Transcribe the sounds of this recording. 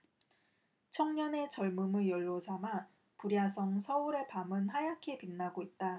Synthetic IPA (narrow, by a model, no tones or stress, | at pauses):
t͡ɕʰʌŋɲʌne̞t͡ɕʌɭmumɯjʌɭːod͡ʑama | puɾjasʰʌŋsʰʌuɾe̞pamɯnhajakʰepinːaɡoit̚t͈a